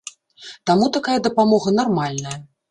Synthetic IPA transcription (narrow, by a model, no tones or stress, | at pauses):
t̪amut̪akajɐd̪ɐpamɔɣɐnarmalʲnɐjɐ